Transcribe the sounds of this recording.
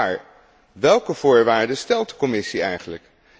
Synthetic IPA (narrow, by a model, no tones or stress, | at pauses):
ɹ | ʋɛlˠkəv̥ʊːɹʋaːɹdəstɛlˠt̚də̥kɔmɪsiɛjχənlək